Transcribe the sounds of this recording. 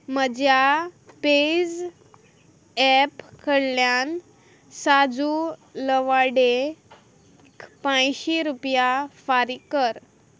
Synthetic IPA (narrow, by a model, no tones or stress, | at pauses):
məd͡ʑjaped͡z | ɛpkʰəɽljan | sad͡zuləʋaɽe | kpãjɕiɾupjafaɾikəɾ